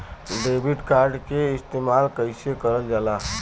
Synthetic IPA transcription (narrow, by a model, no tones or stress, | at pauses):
ɖeːbiʈkaːɾɖkeɪst̪eːmaːlkəɪsekəɾəld͡ʒaːlaː